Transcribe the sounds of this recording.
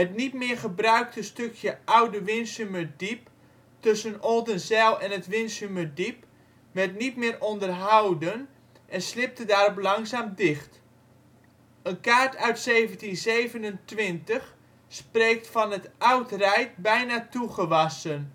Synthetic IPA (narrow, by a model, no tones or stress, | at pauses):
ɦətnitmɪːrχəbrœɥk̚təstøkʰjəʔawdəʋɪnsymədip̚ | tɵsənolˠdənzɛlˠɛnətʋɪnsymədip | ʋɛrtnitmɪːrʔɔndərɦawdən | ʔɛnslɪp̚tədaːɾɔp̬lɑŋzaːmdɪχt | ənkaːɹtʰœɥtseːvəntinzeːvənəntʋɪntəx | spreːk̚tfɑnətawtrɛjt̚bɛjnaːtuχəʋɑsən